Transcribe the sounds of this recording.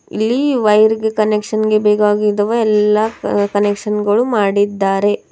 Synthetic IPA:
ilːiʋɐjɾɡekɐnekʂɐnɡe̞beːɡaːɡid̪ɐʋɐɛlːɐkɐnekʂɐnɡɐɭumaːɽid̪ːaːɾe̞

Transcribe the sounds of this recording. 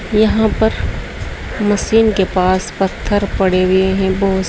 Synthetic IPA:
jɐɦãpɐɾ | mɐsiːnkepaːspɐt̪ʰːəɾpɐɽ̤eɡeɦɛ̃bɔːʊ

